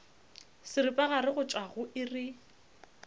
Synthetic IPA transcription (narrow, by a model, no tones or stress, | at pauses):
sɪɾɪpʼaɣaɾɪɣʊt͡ʃʼaɣʊʔɪrɪ